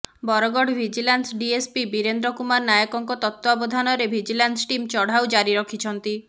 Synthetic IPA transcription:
bɔɾɔɡɔɽbʱid͡ʒilansɖiespibiɾend̪ɾɔkumaɾnajɔkɔŋkɔt̪ɔt̪ːɔɔbɔd̪ʱanɔɾebʱid͡ʒilansʈimt͡ʃɔɽ̤awd͡ʒaɾiɾɔkʰit͡ʃʰɔnt̪i

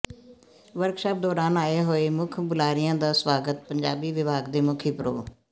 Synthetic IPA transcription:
ʋəɾkʃaːp̚d̪ɔːɾaːnaːeːɦoːeːmʊkʰbʊlaːɾɪjãːd̪aːswaːɡət̪̚pəɲd͡ʒaːbiːʋɪbʱaːɡd̪eːmʊkʰiːpɾo̰ː

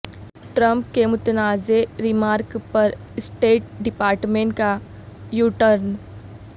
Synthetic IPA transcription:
ʈɾə̃mp̚kemʊt̪naːzeɾɪmaːɾkpɐɾ | sʈeːʈ̚ɖɪpaːɾʈmẽːɳʈka | juːʈəɾn

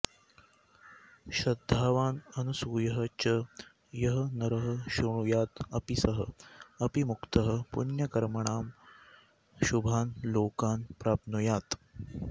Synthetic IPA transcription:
ɕɐd̪ʱːaːʋaːnɐnusuːjɐɦət͡ɕə | jɐɦɐnɐɾəɦə̆ɕuɳ̃ujaːt̪ɐpisɐɦəɐpimukt̪əɦəpṵnjɐkɐɾmɐɳaːm | ɕubʱaːnloːkaːnpɾaːpnujaːt̪

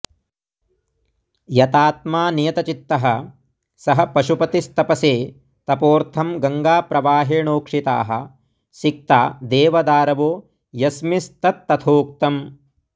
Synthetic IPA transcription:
jɐt̪aːt̪maːnijɐt̪ɐt͡ʃit̪ːɐɦɐ | sɐɦɐ̆pɐʃupɐt̪ist̪ɐpɐseː | t̪ɐpoːɾt̪ʰɐmɡɐŋɡaːpɾɐʋaːɦeːɳoːkʂit̪a̰ːɦɐ̰ | sik̚t̪a̰ːd̪eːʋɐd̪aːɾɐʋoː | jɐsmist̪ɐt̪ːɐt̪ʰoːk̚t̪ɐm

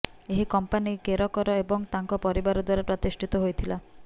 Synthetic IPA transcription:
eɦikɔmpanikeɾɔkɔɾɔebɔŋt̪aŋkɔpɔɾibaɾɔd̪waɾapɾɔt̪isʈʰit̪ɔɦojt̪ʰila

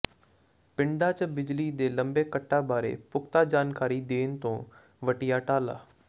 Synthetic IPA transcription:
pɪɳɖaːt͡ʃəbɪd͡ʒliːd̪eːləmbeːkəʈːaːbaːɾḛːpʊkt̪aːd͡ʒaːnkaːɾiːd̪eːnt̪õː | ʋəʈijaːʈaːla̰ː

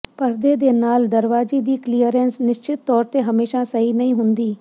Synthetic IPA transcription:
pəɾd̪eːd̪eːnaːld̪əɾʋaːd͡ʒiːd̪iːklijəɾɛːnsnɪʃt͡ʃɪt̪ːɔːɾt̪eːɦəmeːʃaːsəɦiːnəɦĩːɦʊnd̪iː

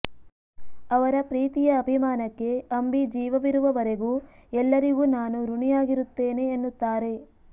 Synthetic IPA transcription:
ɐʋɐɾɐpɾiːt̪ijɐːbʱimaːnɐkːe̞ɐmbid͡ʒiːʋɐʋiɾuʋɐʋɐɾeɡuːɛlːɐɾiɡuːnaːnuɾuɳijaːɡiɾut̪ːeːne̞ːnːut̪ːaːɾe̞

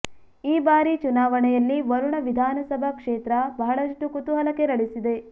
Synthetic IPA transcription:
iːbaːɾit͡ʃunaːʋɐɳɛjɐlːiʋɐɾuɳɐʋid̪ʱaːnɐsɐbʱɐkʂeːt̪ɾɐbʱɐːɐɭɐʂʈukut̪uɦɐlɐkeɾɐɭisid̪e̞

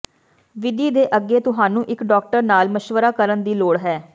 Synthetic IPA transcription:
ʋɪd̪iːd̪eːʔəɡːeːt̪ʊɦaːnũːʔɪkɖɔːk̚ʈəɾnaːlməʃʋəɾaːkəɾənd̪iːloːɽɦɛː

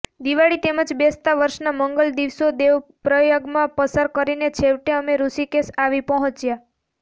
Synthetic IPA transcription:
d̪iʋaɽit̪eməd͡ʒbest̪aʋəɾʃnaməŋɡəld̪iʋsod̪eʋpɾəjoɡmãpəsaɾkəɾinet͡ʃʰeʋʈeəmeɾusikesaʋipəɦɔ̃t͡ʃja

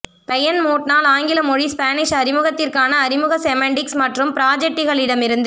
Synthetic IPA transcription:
pɐjɐnmoːʈ̚naːlaːŋɡɪlɐmɔɻispaːnɪʂɐɾɪmɯɣɐt̪ːɪrkaːnɐːɾɪmɯɣɐsɛmɛɳɖɪksmɐʈrɯmpɪɾaːd͡ʒɛk̚ʈːɪɣɐɭɪɽɐmɪɾɯnd̪ɯ

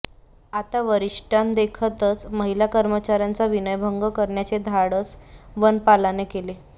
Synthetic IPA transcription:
at̪aʋəɾiʂʈand̪ekʰət̪ət͡sməɦilakəɾmət͡ɕaɾjant͡saʋinəjbʱəŋɡəkəɾɳjat͡sed̪ʱaɽət͡sʋənpalanekele

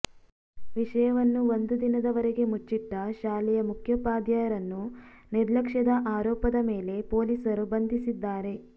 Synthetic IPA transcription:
ʋiʂɐjɐʋɐnːuo̞nd̪ud̪inɐd̪ɐʋɐɾeɡe̞mut͡ʃːiʈːɐʃaːlɛjɐmukʰjɐpaːd̪jaːjɐɾɐnːu | niɾlɐkʂɐd̪ɐʔaːɾɔːpɐd̪ɐmeːle̞po̞ːlisɐɾubɐnd̪ʱisid̪ːaːɾe̞

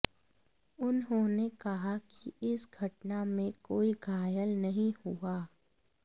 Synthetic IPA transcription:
ʊnɦõːnekɐɦakiɪsɡʱɐʈnamẽkoːiɡʱaːjəlnɐɦĩhuaː

